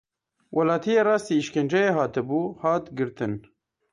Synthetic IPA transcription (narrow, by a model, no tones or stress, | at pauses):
wʔɐlɑːt̪ʰijeːɾɑːst̪iːʃkend͡ʒɛjeɦɑːt̪ɨbuːhɑːt̪ɡɨɾt̪ɨn